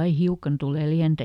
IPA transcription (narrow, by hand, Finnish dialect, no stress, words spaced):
ɑi hiukɑn tule liæntæ